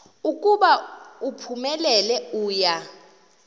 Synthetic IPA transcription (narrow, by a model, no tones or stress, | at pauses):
ukʼuɓaupʰumɛlɛlɛuːja